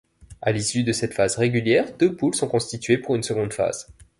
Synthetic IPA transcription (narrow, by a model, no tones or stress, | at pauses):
alisyd̪əsɛt̪fazʁeɡʲyljɛːʁd̪øbulsɔ̃kɔ̃st̪it̪ɥepuʁynsəɡɔ̃d̪fa̰z̥